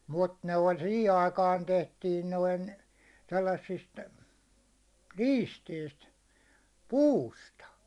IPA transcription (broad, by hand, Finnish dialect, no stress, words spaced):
mut ne olʲ sihi ɑikɑːn tehtiːn noin selːɑsːist liːsteist puːstɑ